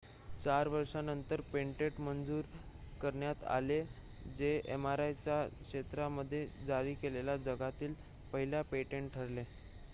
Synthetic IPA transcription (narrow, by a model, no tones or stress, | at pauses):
t͡ɕaɾʋəɾʂanənt̪əɾpeɳʈeʈmənd͡zuːɾkəɾɳjat̪a̰le | d͡zeemaɾajt͡ɕjakʂɕet̪ɾaməd̪ʱːjed͡zaɾiːkelelad͡zəɡat̪iːl | pəɦiljapeʈeɳʈʈʰəɾle